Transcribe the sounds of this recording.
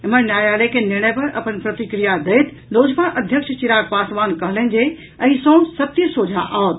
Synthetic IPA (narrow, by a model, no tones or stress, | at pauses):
ɪmənnjaːjaːlekʰenɪɾɽ̃əjpɐɾɐ̰pənpɾɐt̪ikɾijad̪ɐjt̪ | loːd͡ʑkanʔɐd̪ʱjəkʃt͡ɕiɾaːk̚paːsʋaːnkɐɦlənd͡ʑe | ɐ̃ĩsɔ̃ːsɐt̪ːisoːd͡ʒʱãʔaot̪